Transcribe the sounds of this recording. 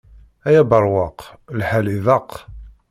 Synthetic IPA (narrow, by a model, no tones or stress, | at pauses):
æjæbəɾˤwɑq | lħæliðɑq